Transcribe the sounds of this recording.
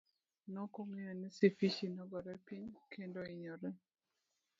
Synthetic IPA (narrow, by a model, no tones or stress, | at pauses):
nɔkomijonisifit͡ʃinɔɡɔɾɛpiɲkendoiɲɔɾɛ